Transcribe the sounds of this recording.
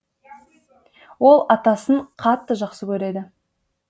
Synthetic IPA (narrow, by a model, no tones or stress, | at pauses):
wo̞lˠɑt̪ɑsəɴqʰɑt̪ːəʒɑqsəkʲʰɵɾe̞d̪ɪ